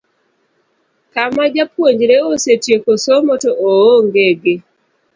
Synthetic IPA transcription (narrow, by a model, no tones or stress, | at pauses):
kamad͡ʒapwoɲd͡ʒɾeosetjekosomotoʔooŋɡeɡe